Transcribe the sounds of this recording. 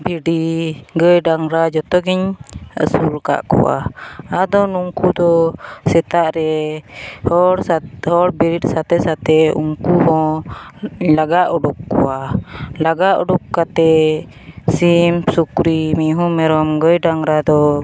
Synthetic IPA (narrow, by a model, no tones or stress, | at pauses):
biɖiɡəjɖaŋɾad͡ʒɔt̪ɔɡɛɲə̰suɾka̰ʔkṵwa̰ad̪ɔnuŋkud̪ɔsɛt̪aʔɾɛ | hɔɾsahɔɾbiɾit̪̚sat̪ɛsat̪ɛṵŋkuɦɔ̃ | laɡaʔɔɖukːṵwalaɡaʔṵɖukːat̪ɛ | simsukɾimiɦumɛɾɔmɡəjɖaŋɾad̪ɔ